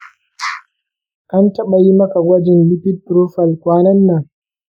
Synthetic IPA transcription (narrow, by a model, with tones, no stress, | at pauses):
ʔa˦ntɐ˦ɓɐ˨ji˦mɐ˦ka˨ɡʷɐ˦d͡ʒɪ˨nlɪ˦ɸɪ˦tːɾo˦ɸɐ˨lkʷaː˦nɐ˦nːɐ˨ŋ